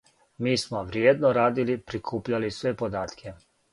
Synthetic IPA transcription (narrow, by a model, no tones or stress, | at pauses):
miːsmoʋɾjeːd̪noɾaːd̪ilipɾikʰuːpʎalisʋepod̪aːt̪kʰe